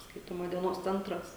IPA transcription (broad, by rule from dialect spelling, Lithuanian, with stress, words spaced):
ˈskɐɪtoːmɐ dʲiɛˈnoːs ˈt͡sʲɛntrɐs